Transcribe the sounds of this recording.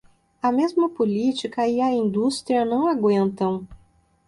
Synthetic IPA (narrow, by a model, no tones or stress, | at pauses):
ɐmezmɐpolit͡ʃikɐɪɐĩnd̪ust̪ɾiɐnɐ̃w̃aɡwẽnt̪ɐ̃w̃